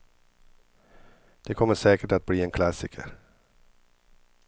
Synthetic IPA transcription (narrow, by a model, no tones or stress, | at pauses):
d̪̥ɛkʰɔmːəʂɛːkəʈat̪̚bliːɛnkʰlasɪkʰə̰ɾ